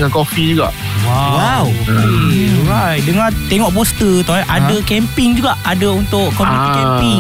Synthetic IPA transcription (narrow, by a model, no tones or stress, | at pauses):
ŋankɔfid͡ʒuɡa̰ʔwawaw | ɾajdəŋãt̪eŋɔʔbɔst̪ət̪aʔadakɛmpɪŋd͡ʒuɡaʔʔadaunt̪ʊʔkːɔmput̪ikɛmpiŋ